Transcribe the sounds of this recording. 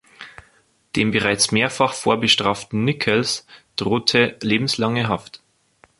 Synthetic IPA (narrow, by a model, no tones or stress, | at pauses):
d̥eːmbəʁaɪt͡smeːɐfaχfo̰ːɐbəʃtʁ̥aːftn̩nɪkʰəlsd̥ʁoːtʰəleːbm̩slaŋəɦaft